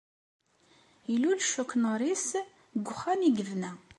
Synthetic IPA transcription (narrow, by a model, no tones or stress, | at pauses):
ilulʃːuknəɾˤis | ɡʷχæniɡəvnæ